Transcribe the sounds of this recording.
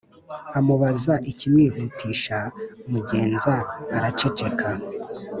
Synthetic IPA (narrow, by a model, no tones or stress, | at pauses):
amuβazaʔicimŋiːhuːtʰiːʃaumuɟe̞ːnzaːɾat͡ʃe̞t͡ʃe̞kʰa